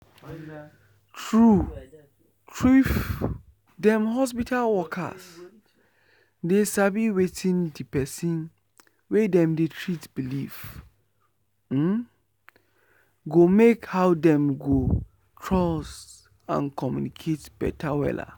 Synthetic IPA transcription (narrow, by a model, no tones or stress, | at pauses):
tɹu | tʰɹif | dɛ̃mɦɔspitʰalwɔkʰa̰s | desabiwetʰĩndipɛsĩn | wedɛ̃mdetʰɹitbilif | m̩ | ɡomekhaʊdɛ̃mɡo | tʰɹɔs | ã̰nkʰɔmjunikʰetb̥ɛ̰tʰawɛ̰la̰